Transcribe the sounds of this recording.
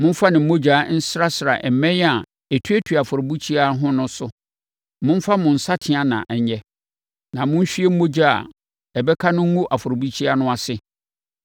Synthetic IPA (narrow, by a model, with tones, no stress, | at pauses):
mʊ̃˦m̩˦fa˦nɪ̃˨m̩˦mo˦d͡ʑᶣa˨˦n̩˦sɾa˦sɾa̰˨ʔɛ˨mɛ̃˦ja˨ | ɛ˨tʰu˦e˦tʰu˨a˨fʊ˨ɾo˨bu˦t͡ɕʰi˦a˦ɦʊ̃˦nʊ̃˦sʊ˦ | mʊ̃˦m̩˦fa˦mʊ̃˨n̩˨sa˦tʰɪ̃˨a˨nã̰˨ʔɛ˨ɲ˦ɲɛ˦ | nã˨mʊ̃˦n˦ɕᶣi˦e˦m̩˦mo˦d͡ʑa˦˨a̰˨ | ɛ˨bɛ˦kʰa˦nʊ̃˦ŋ̩˦ŋũ˦ʔa˨fʊ˨ɾo˨bu˦t͡ɕʰi˦a˦nʊ̃˦a˨sɪ˦